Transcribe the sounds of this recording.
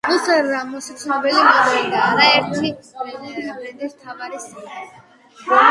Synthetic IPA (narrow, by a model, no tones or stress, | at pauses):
usaɾamɔsat̪sʰnɔbɛlimɔd̪ɛlid̪aːɾaɛɾt̪ʰiɾɛliabɛd̪ɛst̪ʰavaɾisia